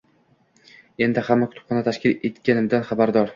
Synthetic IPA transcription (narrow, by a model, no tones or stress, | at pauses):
e̞nd̪ɪχamːakʰʊ̥t̪ʰʊ̥pχɒnat̪ʰaʃkʲɪlet̪kʲanɪmd̪anχabaɾd̪ɒɾ